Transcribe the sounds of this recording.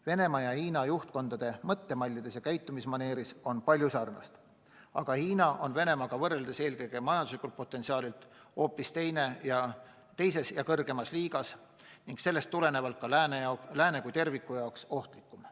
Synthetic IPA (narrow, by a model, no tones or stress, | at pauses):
ve̞ne̞mɑjɑhiːnɑjuht̪̚ko̞nd̪̥ɑd̪̥e̞mɤt̪ːe̞mɑlʲːid̪̥e̞sjɑkæjt̪ːˑumismɑne̞ːɾiso̞npɑlʲjusɑːrnɑ̰st̪ | ɑ̰ɡ̥ɑhiːnɑʔo̞nve̞ne̞mɑɡ̥ɑvɤrːeld̪̥ese̞ːlkɤjɡ̥e̞mɑjɑnd̪uslikːˑult̪̚po̞t̪ːˑe̞nsiɑːlilt̪ˑ | o̞ːpːˑist̪e̞jne̞jɑ | t̪e̞jse̞sjɑkɤrɡ̥e̞mɑsliːɡ̥ɑs | niŋɡ̥se̞lːe̞st̪ːule̞ne̞vɑlt̪̚kɑlænelæːnekujt̪e̞rvikːˑujɑokso̞ht̪likːˑum